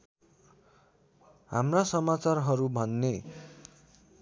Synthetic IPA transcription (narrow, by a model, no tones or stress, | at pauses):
ha̰mrasʌmat͡sarɦʌɾubʱʌnːe